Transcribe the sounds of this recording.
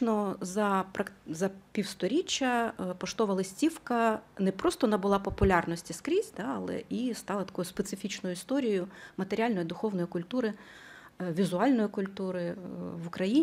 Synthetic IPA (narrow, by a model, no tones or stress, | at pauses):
nɔzɐpɾɐkzɐpʲiwst̪ɔɾʲit͡ʃːɐpɔʃt̪ɔʋɐlˠɪsʲtʲiwkɐnɛpɾɔst̪ɔnɐbʊlˠɑpɔpʊlʲɑrnɔsʲtʲiskɾʲizʲd̪ɑɐlˠɛ̰ist̪ɑlˠɐt̪ɐ̥kɔjʊspet̪sɪfʲit͡ʃnɔjʊist̪ɔɾʲijʊmɐt̪eɾʲalʲnɔjid̪ʊxɔwnɔjikʊlʲt̪uɾɪ | ʋʲizʊɑlʲnɔjikʊlʲt̪uɾɪʋʊkɾɐjinʲ